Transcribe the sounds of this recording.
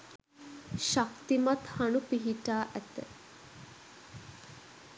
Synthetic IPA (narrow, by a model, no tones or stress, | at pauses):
ʃakt̪imat̪hanupiɦiʈaːʔæt̪ə̰